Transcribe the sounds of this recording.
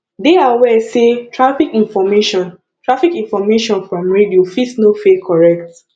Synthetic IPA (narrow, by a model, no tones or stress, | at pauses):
deawɛsetʰɹafikĩnfɔmeʃɔ̃n | tɹafikĩnfɔmeʃɔ̃nfɹɔ̃mɹediofitsnofekʰɔɹɛk̚t